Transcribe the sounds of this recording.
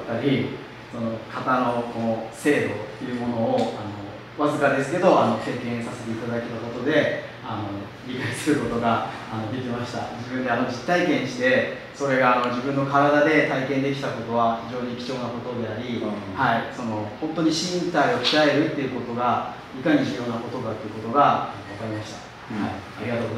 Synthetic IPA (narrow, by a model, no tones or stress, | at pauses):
t̪ːaɾʲi | so̞no̞kʰat̪ano̞konose̞ːd̪o̞t̪ːe̞jɯ̟mo̞no̞ːano̞ | βazɨkad̪e̞sɨ̥ke̞d̪o̞ʔano̞se̞ːkẽ̞ɰ̃sase̞t̪e̞it̪ad̪aket̪akot̪o̞d̪e̞ | ano̞ | ɾʲikaisɨɾɯ̟ko̞t̪o̞ɡaː | no̞d̪e̞kʲimaɕi̥t̪a̰d͡ʑibɯ̃nd̪e̞ano̞d͡ʑit̪ːaikẽ̞ɲ̃ɕid̪e̞ | so̞ɾe̞ɡaːno̞d͡ʑibɯ̟̃nːo̞kaɾad̪ad̪e̞t̪aikend̪e̞kʲi̥t̪ako̞t̪o̞β̞açiʑo̞ːɲ̟ikʲi̥t͡ɕo̞ːnako̞t̪o̞d̪e̞aɾʲihaiso̞no̞hõ̞nt̪o̞ɲ̟iɕĩnt̪aio̞ki̥ae̞ɾɯ̟t̪ːe̞iɯ̟ko̞t̪o̞ɡa | ikaɲ̟iʑɨjo̞ːnako̞t̪o̞ɡat̪ːeɯ̟ko̞t̪oɡaanoβakaɾʲimaɕi̥t̪ḁ | haiaɾʲiɡat̪oːɡoz